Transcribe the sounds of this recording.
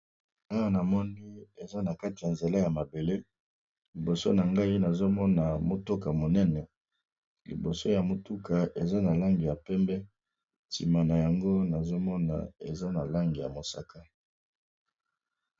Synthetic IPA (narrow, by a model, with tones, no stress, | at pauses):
a˦wa˨na˨mɔ˦ni˦e˨za˦na˨ka˦ti˨ja˨nze˨la˦ja˨ma˨be˨le˦ | li˨bo˨so˦na˨ŋɡa˦i˦na˨zo˦mɔ˦na˨mo˨to˦ka˨mo˨nɛ˦nɛ˨ | lḭ˨bo˨so˦ja˨mo˨tu˦ka˨ʔe˨za˦na˨la˦ŋɡi˨ja˨pɛ˦mbɛ˦ | tḭ˨ma˨na˨ja˨ŋɡo˦na˨zo˦mɔ˦na̰˨e˨za˦na˨la˦ŋɡi˨ja̰˨mo˨sa̰˦ka˦